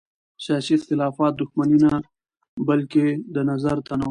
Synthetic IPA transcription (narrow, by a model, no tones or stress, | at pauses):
sɑʃiɪxt̪ɪlɑfɑt̪̚d̪ʊxmanina | balked̪ənazaɾt̪ana